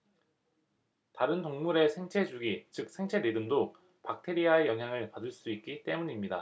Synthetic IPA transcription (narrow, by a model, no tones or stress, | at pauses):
taɾɯntoŋmuɾe̞sʰe̞ŋt͡ɕʰe̞d͡ʑuɡit͡ɕɯk̚s͈ʰe̞ŋt͡ɕʰe̞ɾedɯmdo | pak̚tʰe̞ɾiae̞jʌŋɦjaŋɯɭpadɯɭs͈uik̚k͈it͈e̞muɲimɲida̰